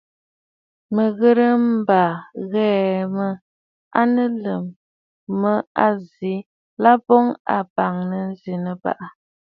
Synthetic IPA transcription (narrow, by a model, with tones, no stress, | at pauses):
mə˨ɣə˦ɾə˦m̩˦ba˨ɣɛː˦mə˦ | a˦nə˦lə˨mː | ə˦a˦zi˨˦ | la˦bɔ˦ŋa̰˨ba˨ŋnə˦n̩˦zi˨nə˨ba̰˨ʔə˨